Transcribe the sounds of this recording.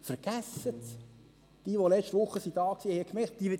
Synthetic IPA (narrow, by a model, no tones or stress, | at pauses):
fəɾɡ̥æsət | d̥iːʋolɛt͡ʃtʋʊχːəsid̥ɑːksiːhɛəkmɛt̚d̥̪iʋɪ